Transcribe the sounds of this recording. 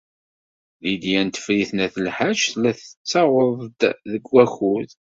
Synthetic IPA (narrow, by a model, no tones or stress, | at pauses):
ðid̪jænt̪ə̥fɾiθnæθəlħaʒθlæθə̥t͡sːɑʁəðˤd̪ðəɡːæxuð